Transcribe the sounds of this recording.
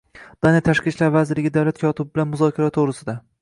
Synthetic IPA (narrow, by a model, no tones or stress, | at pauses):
d̪̥anjat̪ʰaʃqʲit͡ʃlaɾvazɪɾlɪɡʲɪd̪awlat̪̚kʲʰɒt̪ʰɪbɪbɪlanmʊzɒkʲʰaɾat̪ʰoʁɾɪsɪd̪a